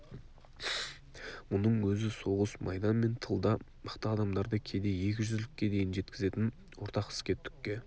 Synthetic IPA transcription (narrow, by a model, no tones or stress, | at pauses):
mʊnəɴwɵzɪso̞ʁəsmɑ̰jd̪ɑnme̞nt̪ʰəlˠd̪ɑ | mɑqt̪əɑd̪ɑmd̪ɑɾd̪əkʲʰe̞d̪e̞je̞kʲɪʒʏzlɪkʲːe̞d̪e̞jɪnʒe̞t̪̚kʲɪze̞t̪ɪn | wo̞ɾt̪ɑqɪ̥skʲe̞t̪ʰʏ̥kʲːe̞